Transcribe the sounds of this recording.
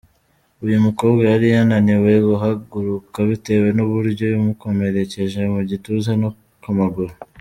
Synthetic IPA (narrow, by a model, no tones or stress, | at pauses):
ujumuko̞ːbɡajaɾijananiwe̞ɡuɦaɡuɾukaβite̞we̞nuβuɾɟo̞βumuko̞me̞ɾe̞ce̞ʒe̞muɟituzano | kumaɡuɾo